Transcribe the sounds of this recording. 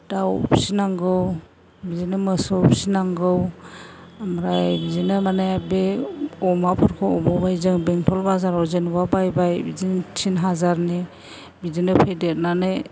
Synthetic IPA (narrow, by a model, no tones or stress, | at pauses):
d̥awbisinaŋɡɯw | bizinɯmɯsɔbisinaŋɡɯw | amɾajbizinɯmanaabeɔmapʰɔɾkʰɔɔbɔbajzɯŋbeŋtʰɔlbazaɾɔzenbabajbajbiziŋtʰinɦazaɾni | bizinɯpʰedet̚nane